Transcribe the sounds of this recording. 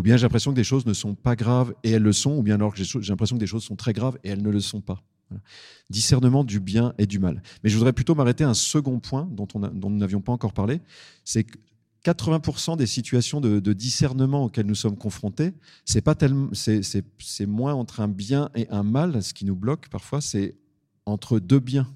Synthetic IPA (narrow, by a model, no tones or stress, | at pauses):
ubjɛ̃ʒelɛ̃pχesjɔ̃kəleʃoznəsɔ̃paɡʁaveɛlːəsɔ̃ubjɛ̃alɔʁkəʒeʃoʒelɛ̃pχesjɔ̃kəleʃozsɔ̃t̪χɛɡʁaveɛlnələsɔ̃pa | vwala | d̪isɛʁnəmɑ̃d̪ybjɛ̃ʔed̪ymalmɛʒəvud̪ʁɛplyt̪omaʁet̪eɛ̃səɡɔ̃pwɛ̃d̪ɔ̃t̪ɔ̃n̰d̪ɔ̃nunavjɔ̃paɑ̃kɔʁpaʁle | sɛk | kat̪χəvɛ̃puʁsɑ̃d̪esit̪ɥasjɔ̃d̪əd̪əd̪isɛʁnəmɑ̃okʲɛlnusɔmkɔ̃fχɔ̃t̪e | sɛpat̪ɛlmɑ̃sɛsɛsɛmwɛ̃ɑ̃t̪χɛ̃bjɛ̃ʔeʔɛ̃malsə̥kʲinublɔkpaʁfwasɛ | ɑ̃t̪χəd̪øbjɛ̃